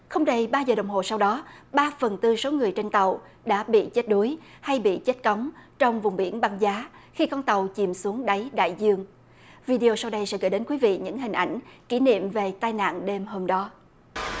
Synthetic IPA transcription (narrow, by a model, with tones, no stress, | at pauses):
xə˧wŋ͡mɗə˧jɓaː˧zəː˨˩ɗə˨˩wŋ͡mɦo̰˧˨sa˧wɗɔ˨˦ɓaː˧fə˨˩nt̪ɨ˧so˨˦ŋɨ˨˩əjt͡ɕe˧nt̪ə˨˩w | ɗa̰ː˧˥ɓḭ˧˨t͡ɕe˦˥t̚ɗu˨˦jha˧jɓḭ˧˨t͡ɕe˦˥t̚ka˨˦wŋ͡mt͡ɕɔ˧wŋ͡mvʊ˨˩ŋ͡mɓi˧˩ənɓa˧ŋzaː˨˦xi˧kɔ˧nt̪ə˨˩wt͡ɕi˨˩msu˨˦əŋɗa˨˦jɗa̰ː˧˨jzɨ˧əŋ | vi˧ɗe˧o˧sa˧wɗə˧jsɛ̰˧˥ɣəː˧˩jɗe˨˦nkwi˨˦vḭ˧˨ɲɨ̰˧˥ŋɦï˨˩ŋ̟ʔa˧˩jŋ̟kḭ˧˩˥nḭ˧˨əmve˨˩t̪aː˧jna̰ː˧˨nɗe˧mho˧mɗɔ˨˦